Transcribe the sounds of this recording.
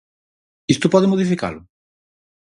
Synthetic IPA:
ist̪opɔðemoð̞ifika̰lo

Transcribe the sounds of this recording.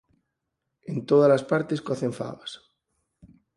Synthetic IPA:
ent̪oð̞alaspaɾt̪eskaθẽɱfa̰βas

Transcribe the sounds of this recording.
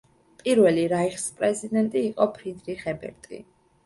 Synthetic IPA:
pʼiɾwɛliɾaiχspʼɾɛzid̪ɛnt̪ʼiːqʼɔpʰɾid̪ɾiχɛbɛ̰ɾt̪ʼḭ

